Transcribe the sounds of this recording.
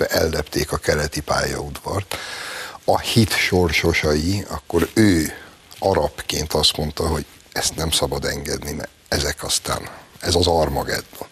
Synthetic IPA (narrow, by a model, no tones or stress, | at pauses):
ɛʔɛlːɛpt̪ʰeːkɒkɛlɛt̪ipa̰ːjɒ̰ud̪vɒrt̪ | ɒhit̪ʃo̞rʃo̞ʃɒjiɒ̰kːo̞ɾøː | ɒɾɒpkeːnt̪ɒst̪mo̞nt̪ɒɦo̞ɟ | ɛst̪nɛmsɒbɒd̪ɛŋɡɛd̪nimɛ̰ | ɛzɛkɒst̪a̰ːnɛzɒzɒrmɒɡɛ̰d̪ːo